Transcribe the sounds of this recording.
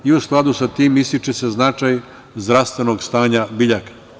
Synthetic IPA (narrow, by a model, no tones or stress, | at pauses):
iusklˠad̪usat̪iːmist̪it͡ʃese̞znat͡ʃaj | zd̪ɾaʋst̪ʋe̞noɡst̪aːɲabiʎakḁ